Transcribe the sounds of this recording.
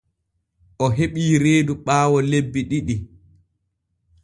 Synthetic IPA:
ʔɔɦeɓiːɾeːduɓaːwɔlebːiɗiɗi

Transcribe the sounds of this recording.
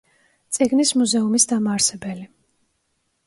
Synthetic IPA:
t̪sʼiɡnismuzɛumisd̪amaːɾsɛbɛli

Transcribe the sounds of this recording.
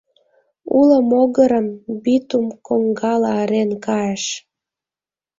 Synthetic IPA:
uləmoɣəɾəmbit̪umkoŋɡɑlɑəɾenkɑeʃ

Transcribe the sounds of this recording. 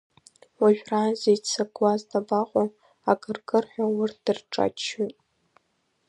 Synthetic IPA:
waʒᶣraːzejt͡sʰaɡwazdʼabaqʷʼo | akʼɨrkʼɨrħʷawʊrt̚ʰd̥ɨrʈ͡ʂʼa̰t͡ʃʰːotʼ

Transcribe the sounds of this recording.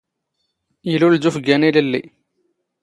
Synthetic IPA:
jəluld͡ʒufəɡæniləlːḭ

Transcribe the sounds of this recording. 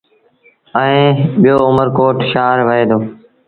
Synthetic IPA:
əẽːɓɪjoːʊməɾkoːʈʃaːɾʋəɦeːd̪oː

